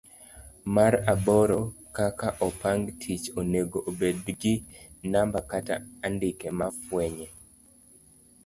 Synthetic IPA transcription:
maɾabɔɾɔkakaʔɔpaŋɡtʰit͡ʃoneɡoʔobedɡɪnambakata̰ːndɪkɛmafwɛɲɛ

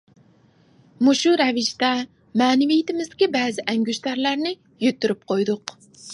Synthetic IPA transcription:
muʃuɾɛvɪʃt̪ɛ | mɛːnɪvijɪt̪ʰɪmɪzd̪ɪ̥kʲibɛːzɪʔɛŋɡʲyʃt̪æɾlæɾnɪ | jøt̪ːyɾyp̚qʰojd̪ʊq

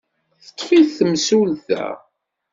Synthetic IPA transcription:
θə̥t̪ˤːfiθθəmsulθæ̰

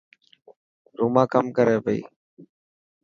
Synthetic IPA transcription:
ɾuːmãːkəmkəɾeːpəḭː

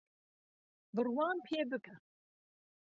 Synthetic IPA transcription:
bɨrwɑːnpʰeːbɨkʰɐ

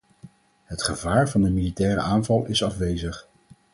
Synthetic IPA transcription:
ɦətχəvaːɹvɑndəmilitɛːɾə̰aːnvɑlˠɪsɑfʋejzəχ

